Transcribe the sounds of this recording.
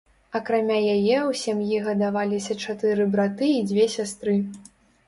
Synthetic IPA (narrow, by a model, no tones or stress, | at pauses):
ɐkɾamʲajajɛwsʲamjiɣɐd̪avalʲisʲɐt͡ʂat̪ɨɾɨbɾat̪ɨːd͡zʲvʲɛsʲast̪ɾɨ